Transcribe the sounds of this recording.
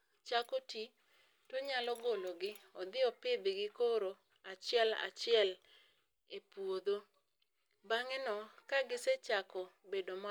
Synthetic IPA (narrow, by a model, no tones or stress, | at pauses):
t͡ʃakoti | toɲalɔɡoloɡɪɔd̪ɪɔpɪd̪ɪɡɪkoɾo | at͡ʃɪɛla̰t͡ʃɪɛl | epwod̪o | baŋɛnɔkaɡɪset͡ʃakɔbedoma